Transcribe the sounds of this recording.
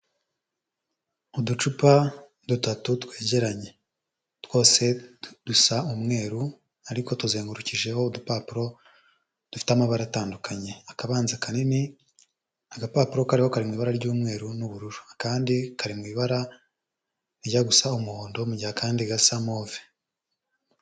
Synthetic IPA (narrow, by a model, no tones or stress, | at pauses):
udut͡ʃupa | dutatutwe̞ːɟe̞ɾaɲe̞ | two̞ːse̞d̥usaumŋe̞ːɾu | aɾiko̞tuzeːŋɡuɾuciʒe̞ho̞udupaːpuɾo̞ | d̥ufi̥tamaβaɾataːndukʰaɲe̞akaβaːnzakanini | aɡapaːpuɾo̞kaɾiho̞kaɾimwiːβaɾaɾɟuːmŋe̞ːɾunuβuɾuɾuakaːndikaɾimŋwiːβaɾa | ɾɟaɡusaumuhoːndo̞muɟihakaːndiɡasamoːve